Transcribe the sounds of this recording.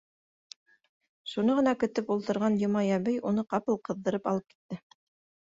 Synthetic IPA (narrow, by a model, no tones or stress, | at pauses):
ʃunɤʁɤ̆nɑkɵ̆t̪ɘpulˠt̪ɤ̆ɾʁɑnjŏmɑjæβɘjunɤqɑpɤlˠqɤ̆ðːɤ̆ɾɤpɑlˠɤp̚ki̥t̪ːɘ